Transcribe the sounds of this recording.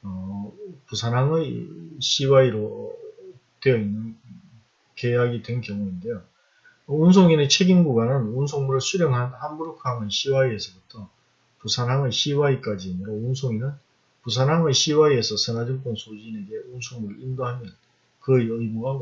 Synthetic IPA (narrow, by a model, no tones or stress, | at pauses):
ʌpusʰanɦaŋɯɕ͈iwaiɾo | twejʌinːɯn | keaɡidwe̞nkjʌŋuinde̞jo | ʌuns̬ʰoŋinet͡ɕʰe̞ɡinɡuɡanɯnunsʰoŋmuɾɯɭsʰuɾjʌŋɦannhanbuɾokʰaŋɯnɕʰiwaie̞sʰʌbutʰʌ | pusʰanɦaŋɯɕ͈iwaik͈ad͡ʑiaɲiɾaunsʰoŋinɯn | pus̬ʰanɦaŋɯɕʰiwaie̞sʰʌsʰɯnad͡ʑʌŋk͈onsʰod͡ʑine̞ɡe̞unsʰoŋmuɾɯɭindoɦamjʌn | kɯɯmuɡa